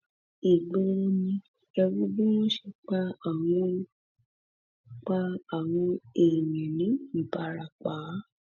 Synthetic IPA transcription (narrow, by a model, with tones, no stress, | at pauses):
i˨ɡ͡be˨˧nĩ˧ | ɛ˧ɾu˦bũ˦wɔ̃˦ʃe˧k͡pa˦a˨w̃ɔ̃˧ | k͡pa˦a˦˨w̃ɔ̃˧e˨mĩ˨nĩ˨˦i˨ba˧ɾa˨k͡paː˨˦